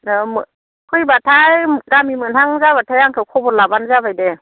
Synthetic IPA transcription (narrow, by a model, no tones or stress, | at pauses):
mɯ | kʰɯjbatʰajɡamimɯnhaŋzabatʰajaŋkʰɯwkʰɔbɔtlabanzabajde